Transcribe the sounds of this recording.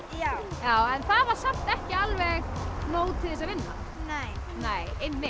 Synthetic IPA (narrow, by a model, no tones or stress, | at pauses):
jaːwjaːwɛnθaðvaɾ̥saht̪ɛhcɪalvɛɣnoːwt̪ʰɪðɪsaðvɪnːa̰ | nej | neːjɪnːɪ